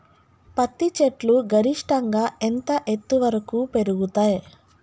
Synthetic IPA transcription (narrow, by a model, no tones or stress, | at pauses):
pɐt̪ːit͡ʃeʈluɡʱɐɾiʂʈɐŋɡaːent̪ɐʔet̪ːuʋɐɾɐkuːpe̞ɾuɡut̪aːj